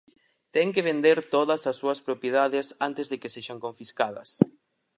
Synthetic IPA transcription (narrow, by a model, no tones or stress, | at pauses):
t̪ɛŋkeβend̪eɾt̪oðɐsɐsːuɐspɾopjeðaðɪsant̪ɪzðekeseʃaŋkõɱfiskaðɐ̰s